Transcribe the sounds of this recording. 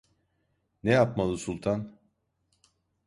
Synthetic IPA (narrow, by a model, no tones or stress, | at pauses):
nejapmalˠɯsulˠt̪ʰan